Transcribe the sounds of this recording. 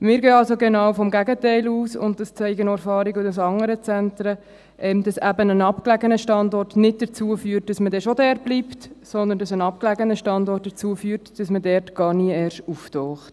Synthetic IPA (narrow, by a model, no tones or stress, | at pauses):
mɪːɾɡøːɑlsoɡɛnɑːwfɔmɡæɡətɛɪluːsʊ̰ndd̥ɑst͡sɛɪɡənɛɾfɑːɾiɡodəsɑŋəɾət͡sɛntɾə | ʔɛmd̥̪ɑsæbənənɑpklæɡənəʃtɑndɔrtnɪt̚d̥əɾt͡suːəfyːɾt̚d̥ɑsmədɛʃodɛːɾb̥liːptsɔnd̪ən̩dɑsənɑp̚klæɡənəʃtɑndɔrt̚d̥ət͡suəfyːɾtd̥ɑsmədɛːɾtɡ̥ɑːɾniəɛːrʃtuftɔːχt